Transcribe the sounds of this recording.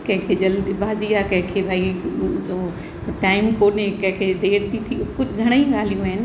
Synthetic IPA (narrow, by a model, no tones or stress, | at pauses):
kɐ̃ɦɪ̃kʰed͡ʑɐld̪ibʱaːd͡ʑijakɐ̃ɦɪ̃kʰebaːio | ʈaːɪmkoːnekɐ̃ɦɪ̃kʰed̪eːɾt̪it̪ʰikʊd͡ʑʱɪd͡ʑʱɐɽ̃əĩɠaːl̤ijũaːɦɪnɪ̆